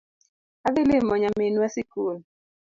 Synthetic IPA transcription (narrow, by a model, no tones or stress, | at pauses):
aðelemɔɲamenwasikon